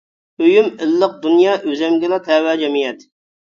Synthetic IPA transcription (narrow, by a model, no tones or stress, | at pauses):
øjymɪlːəq̚d̪unjɑːʔøzɛmɡʲɪlˠɑt̪ʰɛwɛd͡ʒɛmijɛt̪